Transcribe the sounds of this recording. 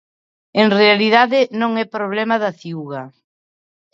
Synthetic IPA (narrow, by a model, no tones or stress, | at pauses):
eŋrealið̞aðɪnõŋɛpɾoβ̞lɛmɐðɐθiuɣɐ